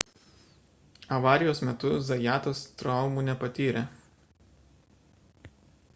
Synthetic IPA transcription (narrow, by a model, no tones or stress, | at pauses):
ɐʋɑːɾʲɪjoːsmʲɛt̪ʊzɐjæːt̪ost̪ɾɒʊmuːˑnʲɛpɐt̪ʲiːɾʲɛ